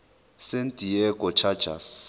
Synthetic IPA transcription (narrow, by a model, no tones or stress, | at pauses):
sentʼijɛkʼɔt͡ʃʰad̥ʒ̥ʱa̰s